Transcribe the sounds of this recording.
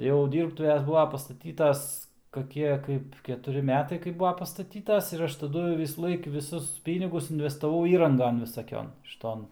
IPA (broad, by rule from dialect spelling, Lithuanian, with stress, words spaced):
jɛʊ ˈdʲiːrptʊʋʲɛs ˈbʊʋɐ pɐstɐˈtʲiːtɐs kɐˈkʲiɛ ˈkɐɪp kʲɛtʊˈrʲɪ ˈmʲæːtɐɪ kɐɪp ˈbʊɐ pɐstɐˈtʲiːtɐs ɪr ˈɐʃ tɐˈdʊ ʋʲɪsuːˈlˠɐɪk ʋʲɪˈsʊs ˈpʲiːnʲɪɡʊs ɪnʲʋʲɛstɐˈʋɐʊ ˈiːrɐŋɡɐn ʋʲɪsɐˈkʲoːn ʃʲɪˈtoːn